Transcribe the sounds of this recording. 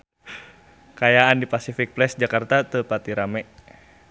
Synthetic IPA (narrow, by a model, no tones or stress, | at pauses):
kajaandipasifik̚plɛsd͡ʒakart̪at̪əpat̪iɾamɛʔ